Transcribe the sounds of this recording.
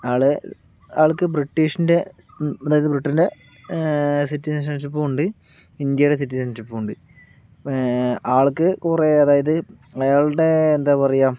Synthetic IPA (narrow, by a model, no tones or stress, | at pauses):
aːɭɨ | aːɭkːɨbriʈːiːʂinde̞ | ɐðaːjɐðɨbriʈːɐnde̞ | sitːisɐnsɐnt͡ɕːip̬ːoːuɳɖɨ | ind̪jɐjɽes̬itːisɐnsipːouɳɖɨ | aːɭkːɨkureɐðaːjɐðɨ | ɐjaːɭɽe̞ːnd̪aːpɐrɐjaːm